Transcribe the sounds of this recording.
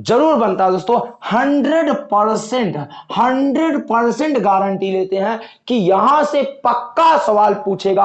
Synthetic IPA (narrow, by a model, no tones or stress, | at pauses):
d͡ʒɐɾuːɾbɐnt̪aɦɛd̪oːst̪õhɐ̃ɳɖɾəɖpɐɾsɛ̃ɳʈhɐ̃ɳɖɾəɖpəɾsə̃ɳʈɡaːɾə̃ɳʈileːt̪eɦɛ̃ | kijɐɦãsepɐkːasɐʋaːlpuːt͡ʃʰeːɡaː